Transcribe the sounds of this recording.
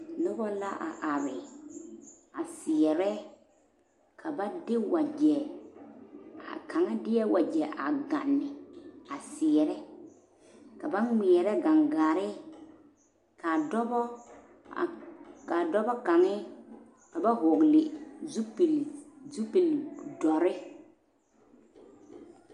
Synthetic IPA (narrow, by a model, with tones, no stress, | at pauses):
nʊ˦bɔ˦la˦ʔa̰˨ʔa˨ɾɪ˨ | a˨sɪ˨ɛ˨ɾɛ˦ | kʰa˨ba˦dɪ˦wa˨d͡ʒɛ˨ | a̰˨ka˨ŋɛ˦dɪ˦ɛ˦wa˨d͡ʒɛ˨ʔa˨ɡa̰˨nːɪ˨a˨sɪ˨ɛ˨ɾɛ˦ | ka˨ba˦nŋɪ˨ɛ˨ɾɛ˦ɡa˨ŋɡaː˨ɾɪ˦ | ka˨dɔ˦bɔ˦˨ | ka˨dɔ˦bɔ˦ka˨ŋɛ˦ | ka˨ba˦ɦʊ˨ɡlɪ˨zu˦pi˨lzu˦pi˨ldɔ˨ɾɪ˦